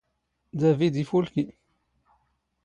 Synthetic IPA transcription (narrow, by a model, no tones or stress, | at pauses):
d̪ævid̪ifulki